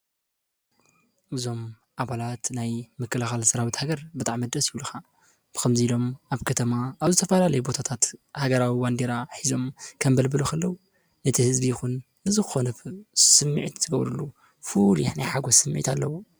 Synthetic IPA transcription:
ʔɨzo̞m | ʔaβalat̪najmɨkːɐlaxalsɐɾawit̪haɡɐɾbɨt̪ʼaʕmːɐd̪ɾɐsjiulɨxḁ | kɐmziilo̞mʔaβkʰɐt̪ʰɐmaʔːβzɨt̪ʰɐfɐlalɐjubo̞t̪ʰat̪ʰat̪haɡɐɾawiwand̪eɾaħizo̞mkʰɐmbɐlbɨluxʰɐlːɐwu | nɐt̪ʰihɨzbijɪxun | bɨzɨxɨ̥xo̞nɐsɨmːiʕit̪z̥ɨɡɐβɾɨlːu | fuljħnajħaɡosɨmːʕḭt̪ʰalːɐwu

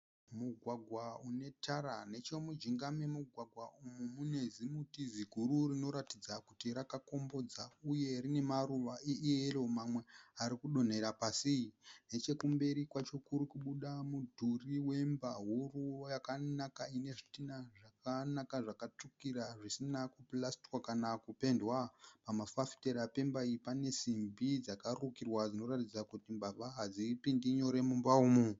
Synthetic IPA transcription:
muɡʱwaɡʱwaune̞tʰaɾane̞t͡ʃo̞mud͡ʒiŋɡamemuɡʱwaɡʱwaʔumumune̞zimutiziɡʱuɾurino̞ɾatid͡zakutiɾakako̞mbo̞d͡zauje̞rine̞maruʋaʔeieromamwe̞aɾikuɗo̞n̤e̞ɾapasijine̞t͡ʃe̞kumbe̞ɾikwat͡ʃo̞kuɾikuɓuɗamudʱuriwe̞mbaɦurujakanakaine̞ʐi̥tinaʐakanakaʐakat͡ʂukiraʐisinakuplasti̥kwakanakupe̞ndwapamafafi̥teɾape̞mbaipane̞simbid͡zakarukirwad͡zino̞ɾatid͡zakutimbaβaɦad͡zipindiɲo̞ɾe̞mumbauːmu

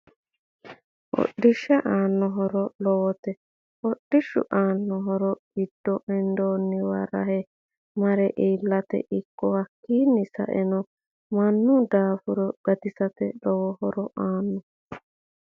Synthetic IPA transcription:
ʔɔ̰ɗːɪʃːɛʔaːnːɔɦɔɾɔlɔwɔt̪ɛ | ɔɗːɪʃːʊ̰ʔaːnːɔɦɔɾɔɡɪd̪̥ːɔʔɛnd̪oːnːɪwɐɾɐ̰hɛ | mɐɾɛʔiːlːɐt̪ɛ̰ʔɪkːɔwɐkːiːnːɪsɐ̰ʔɛnɔ | mɐnːʊd̪aːfʊɾɔɡ̥ɐt̪ɪsɐt̪ɛlɔwɔhɔɾɔʔaːnːɔ

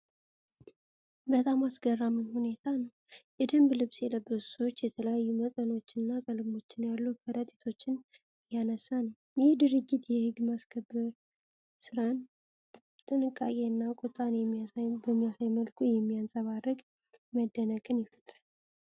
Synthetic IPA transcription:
bət̪ʼamasɡərːamɨnhune̞t̪ʰanəw | jɛd̪ɨmblɨβsjɛləbːə̥so̞t͡ʃːjɛt̪ʰələjajːumət̪ʼəno̞t͡ʃːɪnːakʼəlɨmo̞t͡ʃːɪnjalːukʰəɾət̪ʼit̪ʰo̞t͡ʃːɪn | janəsːanəw | jɪhd̪ɨɾɨɡːit̪jɛhɨɡmaskʰəbɨɾ | sɨɾan | t̪ʼɨnɨkʼːa̰kʼe̞ɨnːakʼut̪ʼanjɛmːiabəmːijasajməlkʰʼujɛmːijansʼəβarɨɡ | məd̪ːənəkʼɨnjɪfət̪ʼɾan

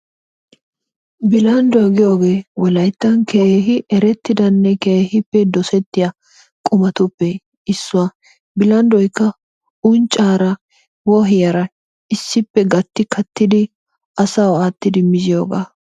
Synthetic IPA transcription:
bɪlɐnd̪ɔɐɡɪjoːɡeːwɔlɐjt̪ːɐnkeɦɪʔɛɾɛt̪ːɪd̪ɐnːɛkeːhɪpːɛd̪ɔsɛt̪ːɪjɐ | kʼʊmɐt̪ʊpːɛ | ɪsːʊwa | bɪlɐnd̪ɔjkːɐ | ʊnt͡ʃʼaːɾɐ | wɔɦɪjɐɾɐ | ɪsːɪpːɛɡɐt̪ːɪkʰɐt̪ːɪd̪ɪ | ʔɐsɐwaːt̪ːɪd̪ɪmɪzɪjo̞̰ːɡa̰ː

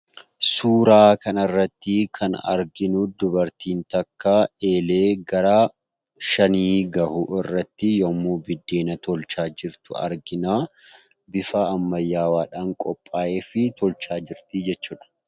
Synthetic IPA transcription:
suːɾaːkɐnɐrːɐt̪ːɪkʰɐnɐ̰ɾɡɪnʊd̪ʊbɐɾt̪iːnt̪ɐkːaːeːle̞ːɡɐɾaː | ʃɐniːɡɐhʊʔɪrːɐt̪ːɪjɔːmːuːbɪd̪ːe̞ːnɐt̪ɔlt͡ʃaːd͡ʒɪɾt̪ʊɐ̰ɾɡɪnaː | bɪfaːmːɐjːaːwaːᶑaːŋkʼɔpʼːaːʔeːfɪt̪ɔlt͡ʃaːd͡ʒɪɾt̪ɪd͡ʒɛt͡ʃːuːᶑɐ̥

